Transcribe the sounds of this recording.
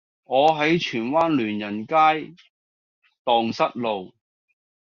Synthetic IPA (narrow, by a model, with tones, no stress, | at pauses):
ŋɔː˨˧ɦɐ˨˥jt͡ʃʰyː˨˩nwaː˥nlyː˨˩njɐ˨˩nkaː˥j | t̪ɔː˨ŋsɐ˥t̚lo˨w